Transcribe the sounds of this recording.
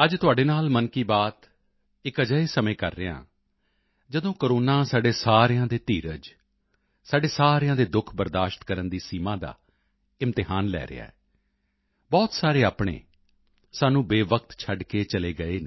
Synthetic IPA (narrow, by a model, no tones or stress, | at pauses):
əd͡ʒt̪ʊaːɖeːnaːlmənkiːbaːt̪ | ɪkəd͡ʒəeːsəmẽːkə̰ɾːeːã̰ː | d͡ʒəd̪õːkəɾoːnaːsaːɖeːsaːɾjãːd̪eːt̪iːɾəd͡ʒ | saːɖeːsaːɾejãːd̪eːd̪ʊkʰbəɾd̪aːʃt̪kəɾənd̪iːsiːmãːd̪a̰ː | ɪmt̪ɪɦaːnlɛ̰ːɾɪ̰ja̰ːɛː | bɔːt̪saːɾeːaːpɳḛː | saːnũːbeːʋək̚t̪t͡ʃʰəɖkeːt͡ʃəleːɡəeːne